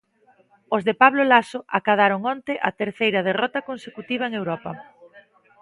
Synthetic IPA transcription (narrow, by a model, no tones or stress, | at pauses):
ozðepaβlolasoʔakaðaɾoŋɔnt̪ɪʔɐt̪eɾθejɾɐð̞erɔt̪ɐkonsekut̪iβ̞ɐeŋewɾɔpɐ